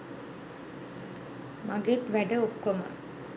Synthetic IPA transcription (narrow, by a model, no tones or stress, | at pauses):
mɐɡet̪ʋæɖəokːoma̰